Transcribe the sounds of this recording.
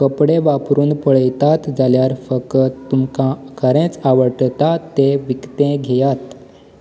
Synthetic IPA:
kəpɽẽʋapɾuːnpəɭəjt̪at̪d͡zaljaɾfəkt̪ːumkãkəɾẽt͡saʋəʈt̪at̪eʋikt̪ẽɡʱejat̪

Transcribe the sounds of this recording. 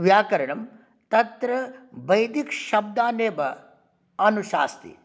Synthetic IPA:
ʋjaːkɐɾɐɳɐm | t̪ɐt̪ɾɐʋɐjd̪ikʃɐb̚d̪aːneːbɐ | ɐnuʃa̰ːst̪ḭ

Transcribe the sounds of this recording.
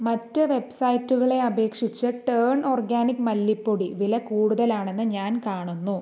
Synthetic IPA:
mɐtːɨʋe̞bsɐjitːuɣɐɭe̞ɐbʱe̞ːkʂit͡ɕːɐʈɐrɳoːrɡaːnikːmɐlːipːoɽiʋilɐkuːɽuðɐlaːɳe̞nːɨɲaːnkaːɳunːu

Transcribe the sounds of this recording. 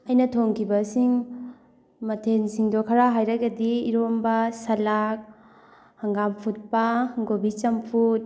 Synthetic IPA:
ɐjnɐtʰoŋkʰibɐsiŋ | mɐtʰensiŋdɔkʰaɾaɦajɾaɡɐdiːɾombasɐlak̚ | haŋɡampʰut̚pahɡobit͡ʃɐmpʰut̚

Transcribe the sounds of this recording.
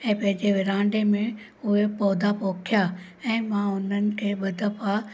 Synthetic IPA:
ɛ̃ːpɐ̃ɦɪ̃ɲd͡ʑeʋɪɾãːɳɖemẽ | ʊɦepɔːd̪ʱapoːkʰja | ɛ̃ːmãʊn̤ənɪ̆kʰeːɓɐd̪ʱəpʰa

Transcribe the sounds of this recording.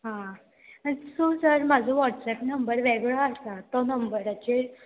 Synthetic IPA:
ɦã | anisosəɾmad͡zʱɔʋɔʈsɛpnəmbəɾʋɛɡɭaast̪at̪ɔnəmbəɾat͡ɕe

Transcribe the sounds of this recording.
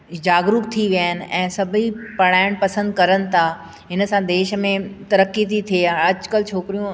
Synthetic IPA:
d͡ʑaːɡɾuːkt̪ʰiʋijaːɪnɪ̆ɛ̰̃ːsɐbʱipɐɽ̤aːɪɽ̃pɐsə̃nd̪̚kɐɾənɪ̆t̪ʰaː | ɦɪnsãd̪eːʃmẽt̪ɐɾəkːit̪ʰit̪ʰieɐd͡ʑkəlt͡ɕʰoːkɾijũ

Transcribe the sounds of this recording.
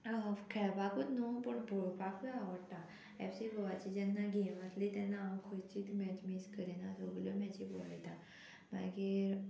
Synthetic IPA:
kʰɛɭpakut̪nopəɳbʱoɭpakʰiaʋəɽt̪a | ɛ̰fsibʱɔʋat͡ɕid͡ʑɛnːaɡʱeʋãt̪lit̪ɛnːaːmkʰot͡ɕiːt̪mɛd͡ʑmiskəɾinad̪oɡljɔmɛ̃t͡ɕibʱoʋa̰jt̪a | ma̰ɡiːɾ

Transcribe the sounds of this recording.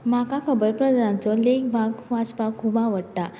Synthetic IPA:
makakʰəbəjpɾəd̪ɾãnt͡sɔlekbʱaɡʋaspakʰːubãʋəɽt̪a

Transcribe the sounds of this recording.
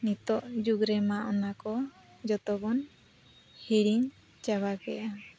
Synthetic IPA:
nit̪ɔʔd͡ʒuɡɾɛmaʔɔnakɔ | d͡ʒɔt̪ɔbɔn | hiɽiɲ | t͡ʃaβaɡɛʔa

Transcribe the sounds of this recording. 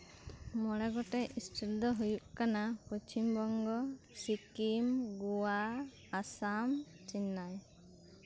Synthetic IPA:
mɔɽɛɡɔʈɛʔisʈild̪ɔɦujuʔkanapɔt͡ʃimbɔŋɡɔ | sikimɡuwaː | sam | t͡ʃinːaj

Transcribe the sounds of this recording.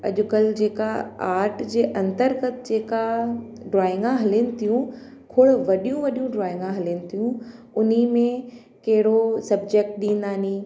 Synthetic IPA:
ɐ̰ʄʊkəld͡ʑeːkaaːɾʈd͡ʑeːʔɐ̃nt̪əɾɡət̪d͡ʑeːka | ɖɾaːɪ̃ŋɡãɦɐlinɪ̆t̪ʰijũ | kʰʊɽʋɐɗijũʋɐɗijũɖɾaːɪ̃ŋɡãɦɐlinɪ̆t̪ʰijũ | ʊnimẽ | kɐɦɪɽosɐb̚d͡ʑeːk̚ʈ̚ɗĩːnd̪aːniː

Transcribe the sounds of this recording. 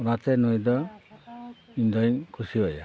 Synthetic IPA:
ɔnat̪ɛnɔjd̪ɔ | indɔjŋkʰusiɔja

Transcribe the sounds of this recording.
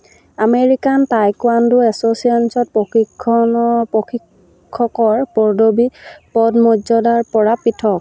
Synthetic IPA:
ameɹikantajkwandʊɛsosiansɔt̚poxikʰːɔnɔpoxʰi | kʰːɔkɔɹpɔɹdobipɔdmɔzɔdaɹpɔɹapitʰɔk̚

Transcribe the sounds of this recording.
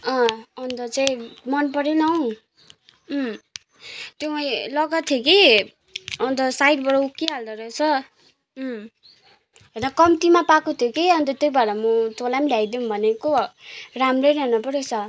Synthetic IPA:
ʌ̃ʌnt̪ʌt͡saĩmʌnpʌɾenʌw̃ | t̪joʌilʌɡat̪ʰjoki | ʌnt̪ʌsajɖbʌɽʌukːiɦald̪ʌɾʌet͡sʰʌ | ɦenʌkʌmt̪imapakot̪ʰjokiʌnt̪ʌt̪ʌjbaɾʌmʌt̪olamɖʱajd̪umbʱʌnekoramreɾʌnʌpʌɾet͡sʰʌ

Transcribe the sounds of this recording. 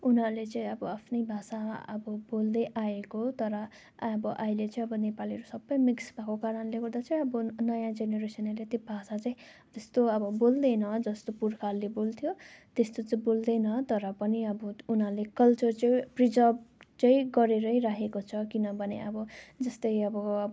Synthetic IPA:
unʌlet͡sʌĩʌbʌapʰnʌjbʱasaʌ̰bʌbold̪ʌjʔaekot̪ʌɾʌ | bʌʔailet͡sʌĩʌbʌnepaliʌɾusʌbːʌjmiksbʱakokaɾʌnleɡʌrd̪at͡sʌ̃ĩʌbʌnʌjãd͡zeneɾesʌnʌlet̪ibʱasat͡saĩt̪est̪oʌbʌbold̪ʌjnʌd͡zʌst̪opurkʰalːebolt̪ʰjot̪est̪ot͡sʌĩbold̪ʌjnʌt̪ʌɾʌpʌniʌbʌunalekʌlt͡sʌrt͡sʌjprid͡zʌbt͡sʌĩɡʌɾeɾʌjɾaɦekot͡sʰʌkinʌbʱʌneʌbʌd͡zʌst̪ʌjʌbʌ

